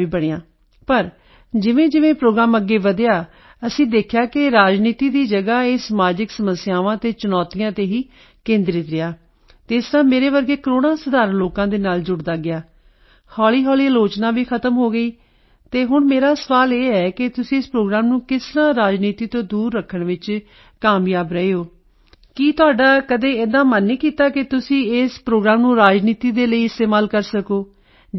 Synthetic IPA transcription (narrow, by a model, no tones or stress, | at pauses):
iːbəɽeːãː | pəɾ | d͡ʒɪʋẽːd͡ʒɪʋẽːpɾoːɡɾaːməɡːeːʋəd̪ejaː | əsĩːd̪eːkʰjaːkɪɾaːd͡ʒniːt̪iːd̪iːd͡ʒəɡaːeːsəmaːd͡ʒɪksəməsjaːʋãːt̪eːt͡ʃʊnɔːt̪ijãːt̪eːɦiː | kẽːnd̪ɾɪt̪ɾɪaː | t̪eːɪsɾaːmeːɾeːʋəɾɡeːkəɾoːɽãːsəd̪aːɾənloːkãːd̪eːnaːld͡ʒʊɽd̪aːɡɪaː | hɔːliːɦɔːliːəloːt͡ʃnaːʋiːkʰət̪əmɦoːɡəiː | t̪eːɦʊɳmeːɾaːsəʋaːleːɛːkɪt̪ʊsĩːɪspɾoːɡɾaːmnũːkɪsnãːɾaːd͡ʒniːt̪iːt̪õːd̪uːɾːəkʰːəɳʋɪt͡ʃ | kaːmjaːbɾəeːoː | kiːt̪ʊaːɖaːkəd̪eːeːd̪ãːmənːiːkiːt̪aːkɪt̪ʊsĩːɪspɾoːɡɾaːmnũːɾaːd͡ʒniːt̪iːd̪eːləiːɪst̪eːmaːlkəɾsəkoː